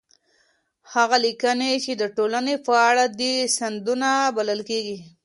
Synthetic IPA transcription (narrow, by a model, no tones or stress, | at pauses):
haɣalikənet͡ʃed̪əʈolanefaɽad̪isand̪unabaləlkeɡi